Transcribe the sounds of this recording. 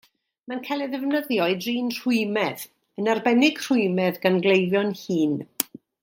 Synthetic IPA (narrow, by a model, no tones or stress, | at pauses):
mankʰalˠɛðɛvnəðjɔɨdriːnr̥ʊɨmɛð | ənarbɛnɪɡ̥r̥ʊɨmɛðɡanɡlejljɔnhiːn